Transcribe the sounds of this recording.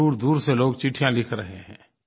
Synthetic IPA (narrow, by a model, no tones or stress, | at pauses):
uːɾd̪uːɾseloːɡt͡ʃɪʈʰijãlɪkʰɾɐɦeɦɛ̰̃ː